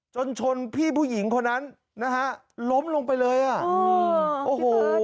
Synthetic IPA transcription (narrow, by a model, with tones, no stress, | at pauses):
t͡ɕo˧nt͡ɕʰo˧npʰiː˥˩pʰuː˥˩ji˩˦ŋkʰo˧nːa˦˥n | na˦˥kʰa˦˥ | lo˦˥mlo˧ŋpa˧jlɤː˧jʔa˨˩ | ʔoː˨˩hoː˨˩